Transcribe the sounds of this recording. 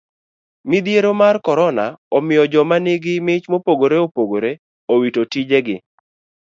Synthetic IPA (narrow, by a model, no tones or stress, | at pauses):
mɪd̪jeɾomarkɔɾɔnaɔmɪjɔd͡ʒɔmanɪɡɪmɪt͡ʃmopoɡoɾeopoɡoɾe | owitotid͡ʒeɡɪ̰